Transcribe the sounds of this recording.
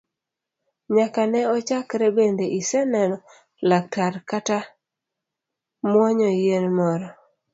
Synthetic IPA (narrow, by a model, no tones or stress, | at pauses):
ɲakanɛɔt͡ʃakɾɛbendeʔisɛnɛnɔ | lak̚tarkata | mwɔɲɔjenmɔɾɔ